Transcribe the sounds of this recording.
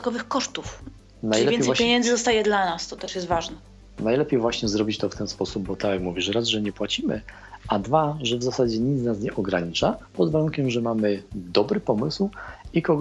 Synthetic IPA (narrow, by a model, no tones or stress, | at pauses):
kɔvɘxkɔʂt̪uf | najliɛvɛnj̪pʲjeɲɛnd̪zɘd̪ɔst̪ajɛd̪lanast̪ɔt̪ɛʂjɛst̪vaʐnɛ | najlɛpʲjejvwaɕɲɛzɾɔbʲit͡ɕt̪ɔft̪ɛnspɔsub̚ːɔt̪akjakmuvʲiʂɾazʐɛɲɛpwat͡ɕimɘ̰ | ad̪vaʐɛvzasad͡ʑɛɲit̪znas̬ɲɛʔɔɡɾaɲit͡ʂapɔd̪vaɾunkʲɛmʐɛmamɘd̪ɔbɾɘpɔmɘswikɔɡ